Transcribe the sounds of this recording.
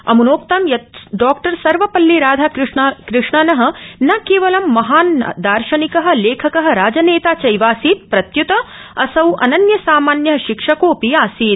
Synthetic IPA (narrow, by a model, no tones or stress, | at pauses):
ɐ̰munoːk̚t̪ɐmjɐt̪ɖaːkʈɐɾsɐɾʋɐpɐlːiɾaːd̪ʱaɾʂkɾɪʂɳɐnɐɦɐ̆nɐkeːʋɐlɐmːɐɦaːnɐ̰d̪aːɾʃɐnikɐɦɐ̆leːkʰɐkɐɦɐ̆ɾaːd͡ʒɐneːt̪aːt͡ʃɐjʋaːsiːt̪̚pɾɐt̪jut̪ɐɐsɐwʔɐnɐnjɐsaːmaːnjɐɦɐʃikʂɐkoːpiaːsiːt̪